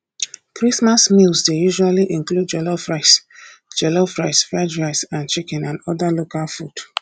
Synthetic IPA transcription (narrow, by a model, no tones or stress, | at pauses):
kɹismasmilzdejuʒualiʔĩŋklud̚d͡ʒɛlofɹasd͡ʒɛlofɹaɪsfad͡ʒɹasãnt͡ʃikɛ̃nãnɔdalokalfud